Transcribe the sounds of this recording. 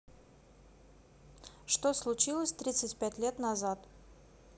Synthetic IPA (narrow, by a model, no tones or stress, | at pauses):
ʂt̪oslˠʊt͡ɕilˠəsʲt̪ɾʲit̪sɨtʲpʲætʲlʲet̪nɐzat̪